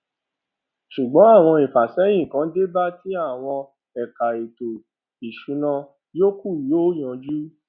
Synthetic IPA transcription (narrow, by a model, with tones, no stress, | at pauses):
ʃu˨ɡ͡bɔ̃˨˦a˦˨w̃ɔ̃˧i˨fa˨sɛ˨˦j̃ĩ˦˨kã˨˦de˦ba˦ti˦a˦˨w̃ɔ̃˧ | ɛ˨ka˨i˨to˨ | i˨ʃu˨˦nã˧ | jo˦ku˦˨ju˨˦o˦j̃ɔ̃˨˧d͡ʒu˦